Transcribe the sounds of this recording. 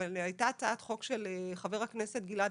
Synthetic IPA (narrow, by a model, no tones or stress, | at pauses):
alajtat͡saatχo̞kʃeleχave̞ʁhakne̞set̪̚ɡila